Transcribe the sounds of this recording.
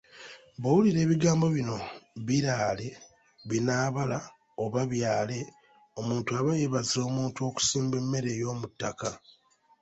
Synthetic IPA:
βowuliɾe̞ːβiɡaːmbo̞βino̞βiɾaːle̞ | βinaːβala | o̞βaβjaːle̞ | o̞muːntuaβajeβazio̞ːmuːntuo̞ːku̥siːmbe̞mːe̞ɾe̞jo̞ːmutːaka

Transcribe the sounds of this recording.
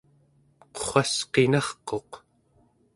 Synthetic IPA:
qo̥χɑsqe̞nɑχqo̞q

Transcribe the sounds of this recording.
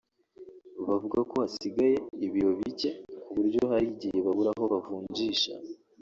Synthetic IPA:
βavuɡako̞asiɡaje̞iβijo̞βice̞kuβuɾɟo̞haɾiɟije̞βaβuɾaɦo̞βavuːɲɟiːʃa̰

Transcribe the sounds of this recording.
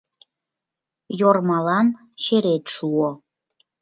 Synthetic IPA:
jormɑlɑn | ɕeɾet̪ʃuo

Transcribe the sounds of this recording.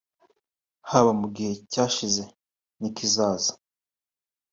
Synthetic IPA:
haβamuɡihe̞caːʃize̞ | nikizaːzḁ

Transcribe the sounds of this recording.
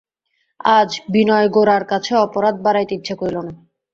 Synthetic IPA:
ad͡ʑbinɔeɡoɾaɾkat͡ɕʰeɔpoɾad̪̚baɾajt̪it̪ːɕʰakoɾilona

